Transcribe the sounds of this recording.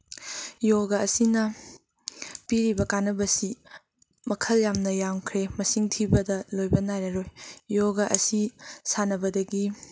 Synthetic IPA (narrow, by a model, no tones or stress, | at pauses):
joɡɐɐsinɐ | piɾibɐkanːɐbɐsi | mɐkʰɐljamnɐjamkʰɾemɐsiŋtʰibɐdɐlojbɐnajɾɐɾojjoɡɐʔɐsisanɐbɐdɐɡi